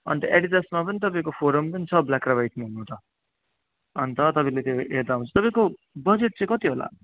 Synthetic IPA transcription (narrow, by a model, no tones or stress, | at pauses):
ʌ̰nt̪ʌʔeɽiʈesmapʌnit̪ʌpaĩkopʰoɾʌmpʌnit͡sʰʌblakrabajʈmaɦunːũːt̪ʰʌ | ʌnt̪ʌt̪ʌpʌ̃ilet̪joeɾd̪aɦũnt͡sʰʌt̪ʌpãĩko | bʌd͡zeʈ̚t͡sʌ̃ĩkʌt̪iɦola̰